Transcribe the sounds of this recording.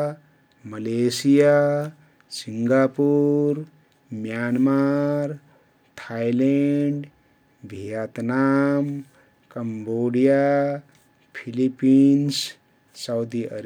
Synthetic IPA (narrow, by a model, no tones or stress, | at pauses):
məlesija | siŋɡapuɾ | mjanmaɾ | t̪ʰaileɳɖ | bʱijat̪nam | kəmboɽija | pʰilipːins | sawd̪iʔə̰ɾ